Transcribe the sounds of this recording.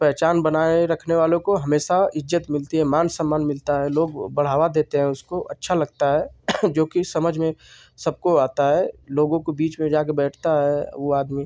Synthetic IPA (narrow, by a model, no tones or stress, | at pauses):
pɛɦt͡ʃaːnbənaːeɾɐkʰneʋaːlõkoɦɐmeːʃaɪd͡ʒːət̪mɪlt̪iɦɛ̃maːnsəmːaːnmɪlt̪aɦɛloːɡbɐɽ̤aːʋad̪eːt̪eɦɛ̃ʊskoʔɐtːʃʰalɐɡt̪aɦɛːd͡ʒoːkisɐməd͡ʒʱmẽ | sɐb̚koaːt̪aɦɛloːɡõkobiːt͡ʃmẽd͡ʒaːkebɛːʈʰt̪aɦɛʋoaːd̪miː